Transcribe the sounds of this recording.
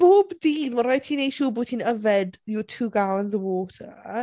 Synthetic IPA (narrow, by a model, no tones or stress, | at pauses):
b̥oːbdiːnmaɾajtʰiːnejʃuːbʊːtʰiːnəvɛdjotʰuːɡalˠanzəwoːtʰa